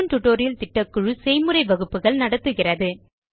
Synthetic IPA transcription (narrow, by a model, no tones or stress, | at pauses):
nʈ̪ʊʈːoːɾɪjɪlt̪ɪʈːɐkːɯɻɯsɛjmɯɾɐɪʋɐɣɯpːɯɣɐɭnɐɽɐt̪ːɯɣɪrɐðɯ